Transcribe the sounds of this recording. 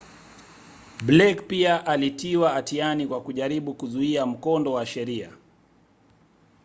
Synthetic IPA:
blɛkpiaʔalitiwaatianikwakuʄaɾiɓukuzuiam̩kɔndɔwaʃɛɾia

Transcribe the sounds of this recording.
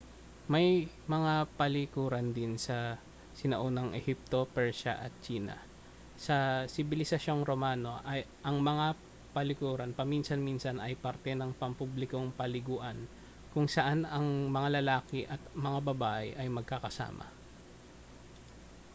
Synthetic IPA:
mɐj | mɐŋapɐlɪkuːɾɐnd̪ɪnsɐ | sɪnɐʔo̞nɐŋʔɛ̰hip̚t̪o̞pɛɹʃɐ̰ʔɐt̪̚t͡ʃiːnɐ̰ | sɐsɪbɪlɪsɐʃo̞ŋɾomaːno̞ʔɐjʔɐŋmɐŋa | pɐlɪkuːɾɐnpɐminsɐnminsɐnɐjpɐɾt̪ɛnɐŋpɐmpublɪko̞ŋpɐlɪɡuːʔɐn | kʊŋsɐʔanɐŋmɐŋalɐlaːkɪʔɐt̪̚mɐŋabɐbaːʔɛ̰ʔɐjmɐɡ̚kɐkɐsa̰ːmɐ̰

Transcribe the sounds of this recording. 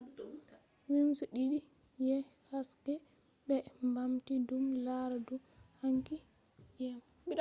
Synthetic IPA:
wimsuɗiɗi | jɛhaskɛ | bɛmbamtidumlaɾaduhaŋki | jɛm | bi

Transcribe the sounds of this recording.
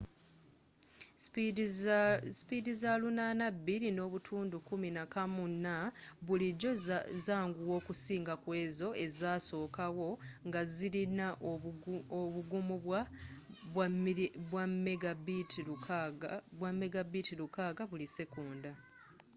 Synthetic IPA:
spidizalunanabːilino̞ːβutʰuːndukuminakamunːaβuliɟo̞zaːŋɡuwo̞ːkusiːŋɡakwe̞ːzo̞e̞zaːso̞ːkawo̞ŋɡaziɾinaʔ | oβuɡumuβwa | wβwamːeɡabitʰilu | βwamːe̞ɡabitilukaːɡaβulise̞kuːnda

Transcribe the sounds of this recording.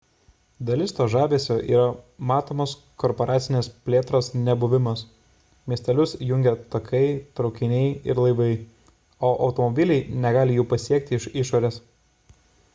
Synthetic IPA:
d̪ɐlʲɪst̪oːʒɑːbʲeːsʲoːʔḭːɾɐmɑːt̪oːmoːs | kɔɾpɔɾʔɑːt̪sʲɪnʲeːspʲlʲeːt̪ɾoːsnʲɛbʊʋʲɪmɐs | mʲiɛsʲt̪ʲɛlʲʊsjʊŋʲɡʲɛt̪ɐkʰɐɪt̪ɾɒʊkʲɪnʲɛɪɪɾlˠɐɪʋɐɪ | oːʔɒʊt̪ɔmɔbʲɪlʲɛɪnʲɛɡɑːlʲɪjuːpɐsʲiɛk̚t̪ʲɪɪʃɪʃoːɾʲeːs

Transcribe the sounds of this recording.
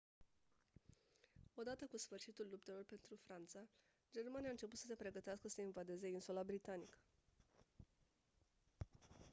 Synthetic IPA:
o̞d̪at̪əkusfɨrʃit̪ulːup̚t̪e̞lo̞rpe̞nt̪ɾufɾant̪sa | d͡ʒe̞rmanijaɨnt͡ʃe̞put̪səse̞pɾe̞ɡət̪easkəsəinvad̪e̞ze̞insulabɾit̪anikə̥

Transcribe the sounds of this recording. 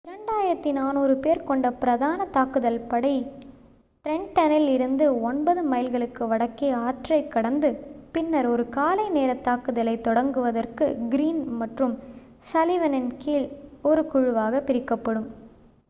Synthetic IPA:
ɪɾɐɳɖaːjɪɾɐt̪ːinaːnuːɾɯpeːɾkɔɳɖɐpɪɾɐðaːnɐt̪aːkɯðɐlpɐɽɐɪ | ʈɾɛɳʈɐnɪlɪɾɯnd̪ɯɔnbɐðɯmɐɪlɣɐɭɯkːɯʋɐɽɐkːeːaːʈrɐɪkːɐɽɐnd̪ɯpɪnːɐɾɔɾɯkaːlɐɪneːɾɐt̪ːaːkɯðɐlɐɪt̪ːɔɽɐŋɡɯʋɐðɐrkɯɡɪɾiːnmɐʈrɯm | sɐlɪʋɐnɪnkiːlɔɾɯkʊɻɯʋaːɣɐpɪɾɪkːɐpːɐɽɯm

